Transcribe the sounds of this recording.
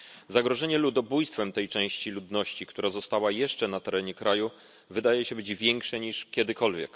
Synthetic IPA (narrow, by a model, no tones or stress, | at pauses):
zaɡɾɔʐɛɲɛlud̪ɔbujst̪fɛmt̪ɛjt͡ʂɛ̃w̃ɕt͡ɕilud̪nɔɕt͡ɕikt̪uɾazɔst̪awajɛʂt͡ʂɛnat̪ɛɾɛɲɛkɾʔaju | vɘd̪ajɛɕɛbɘd͡ʑvʲjɛŋkʂɛɲiʂkʲɛd̪ɘkɔlvʲjɛ̰k